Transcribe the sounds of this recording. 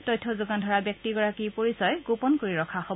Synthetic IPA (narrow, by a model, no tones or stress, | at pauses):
tɔjtʰːɔzʊɡandʱɔɹabjɔk̚tiɡɔɹakipoɹisɔjɡupɔnkoɹiɹɔkʰaxɔ